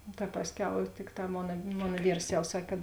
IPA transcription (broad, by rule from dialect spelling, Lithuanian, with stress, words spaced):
noː tɐ ˈpɑːsʲˌkʲɛʊ ˈtʲɪkˌtɑː ˈmoːnɐ ˈmoːnɐ ˈʋʲiːrs jɛʊ ˈsɐkʲ kɐt